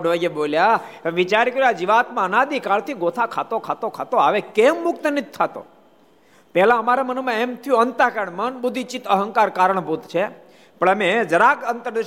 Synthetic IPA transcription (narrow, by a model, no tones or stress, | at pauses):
ɖʋəjeboljaʋit͡ʃaɾkəɾjoad͡ʒiʋat̪mãənad̪ikaɭt̪ʰiɡot̪ʰakʰat̪okʰat̪okʰat̪oaʋekemːʊkt̪ənid͡ʒt̪ʰːat̪o̰ | pɛɦlãəmaɾemənumãemt̪ʰijũənt̪akəɳmənbʊd̪ʱit͡ʃit̪əɦəŋkaɾkaɾəɳ̃but̪t͡ʃʰe | pəɳəmẽd͡ʒəɾakənt̪əɾd̪ə